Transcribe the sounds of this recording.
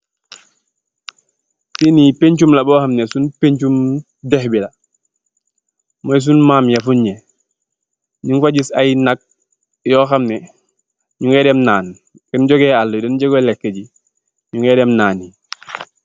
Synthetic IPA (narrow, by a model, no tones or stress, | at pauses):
sinipeɲt͡ʃumlabɔːxamnesunpeɲt͡ʃum | dehbila | mojs̬unmaːmjafuɲɲe | ɲiŋfaɟisajinak̚ | jɔːxamne | ɲuŋedemnaːn | kɛnɟɔɡealːodɔnɟɔɡelekːeɟi | ɲuŋedemnaːni